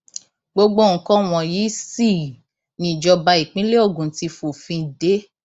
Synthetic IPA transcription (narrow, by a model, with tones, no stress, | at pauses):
ɡ͡bo˧ɡ͡bo˦˨ŋ̩˨kɔ̃˦w̃ɔ̃˨ji˨˦si˦˨ | nĩ˦˨d͡ʒɔ˧ba˧i˨k͡pĩ˦le˦o˦˨ɡũ˨˦ti˧fo˨fĩ˧de˨˦